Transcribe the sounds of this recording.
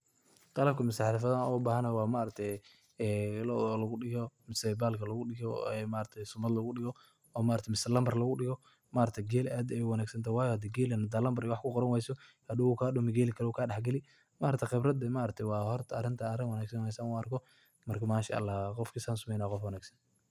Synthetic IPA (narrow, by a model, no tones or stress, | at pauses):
qɑlɐb̚kʰɐmʊsaħlɪfɐðɐɔbaːhɐnɐjwɑːmaʔɾɐt̪ʰɛjː | lɔðɔlɐɣʊɗɪɣɔmɪsɛbaːlkʰɐlɐɣʊɗɪɣɔɛmaːɾɐt̪ʰɛsʊmɐd̪lɐɣʊɗɪɣɔ | ɔːmaːɾɐkt̪ʰmɪsɐlɐmbɐrlɐɣʊɗɪɣɔ | maːɾɐt̪ʰɛɡɛːlʔaːd̪ɛɛjwɑnaːɡsɐnt̪ʰajwɑːjɔhɐd̪ɛɡɛːlɛnɐd̪aːlɐmbɐɾɪwɑħkʰʊqɔɾɐnwɛjsɔhɐd̪ʊwukʰaːɗɔmɐɡɛːlɪkʰɐɾɔuːkʰaːɗɐħɡɐlɪ | maːɾɐt̪ʰqɪbrɐd̪ɛmaːʔɾɐt̪ʰɛjwɑːhɔrt̪ʰɐɐɾɪnt̪ʰɐɐɾɪnwɑnaːɡsɐnɛjsɐnuɐrkʰɔ | mɐrkʰɐmaːʃɐ̰ʔɐ̰lːaːqɔfkʰisaːnsʊmɛjnaːqɔfwɐnaːɡsɐn